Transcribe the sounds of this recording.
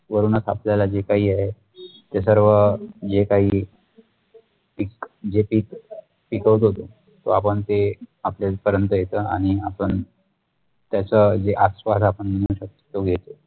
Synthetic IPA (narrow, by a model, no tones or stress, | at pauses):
ʋəɾuːnət͡sa̰pljalad͡ʑekaɦiːaɦe | t̪esəɾʋəd͡ʑekaɦiː | pikd͡ʑepiːk | pikəʋt̪ɦot̪o | t̪o̰apəɳt̪eapljapəɾjənt̪əjet̪əːaɽ̃iapən | t̪jat͡səd͡zeʔasʋasapəɳməɽ̃uːɕəkt̪oɡʱet̪e